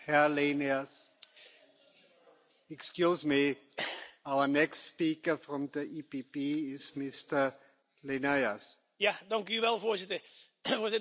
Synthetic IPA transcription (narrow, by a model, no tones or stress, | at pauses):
hɛleniəs | ɛkskjuːsmi | awənɛkstspiːkəfrɔmdəʔiːpipiɪsmɪstə | lenajas | jadɑŋkjyʋɛlˠvoːzɪtə | voːzɪ